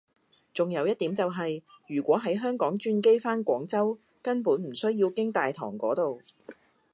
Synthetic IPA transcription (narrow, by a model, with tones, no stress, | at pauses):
t͡sʊ˨ŋjɐ˨˧wjɐ˥t̚t̪iː˨˥mt͡sɐ˨wɦɐ˨jjyː˨˩kʷɔː˨˥ɦɐ˨˥jɦœː˥ŋkɔː˨˥ŋt͡ʃyː˧nke˥jfaː˥nkʷɔː˨˥ŋt͡sɐ˥w | kɐ˥npuː˨˥nm̩˨˩sɵ˥ɥjiː˧wkɪ˥ŋt̪aː˨jt̪ʰɔː˨˩ŋkɔː˨˥t̪o˨w